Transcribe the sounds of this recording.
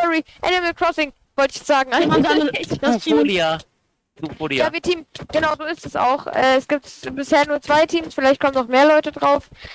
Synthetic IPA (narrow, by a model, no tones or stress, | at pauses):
ɔʁiʔɛnɪmɛlkʁ̥ɔsɪŋ | v̥ɔltɪ̥çɛsz̥aːɡŋ̩ʔa | oa | ufolijaːviːɐtʰiːmɡ̥ənaʊzoːɪstɛsa̰ʊxʔɛ̰ːɛsɡ̥iːp̚tbɪsheːɐnuːɐt͡sv̥aɪtʰiːmsfɪlaɪçt̚kʰɔmənaʊxmeːɐlɔʏtədʁaʊf